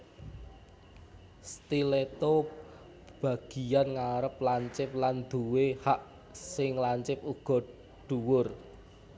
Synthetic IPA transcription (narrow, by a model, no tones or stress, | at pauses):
st̪ilet̪o | b̥a̤ɡ̥i̤janŋaɾəp̚laɲt͡ʃɪp̚land̪̥uwehaʔ | sɪŋlaɲt͡ʃɪp̚uɡ̥ɔ̤ | ɖ̪̥uwʊr